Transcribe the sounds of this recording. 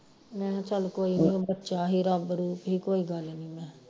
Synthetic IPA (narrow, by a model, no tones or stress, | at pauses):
mɛ̃ːt͡ʃəlkoːiẽːbətːʃaːɦiːɾaːbəɾuːpɦiːkoːiːɡalenĩːmɛ̃ː